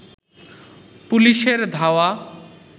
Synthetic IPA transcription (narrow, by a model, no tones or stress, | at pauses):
puliʃeɾd̪ʱaoa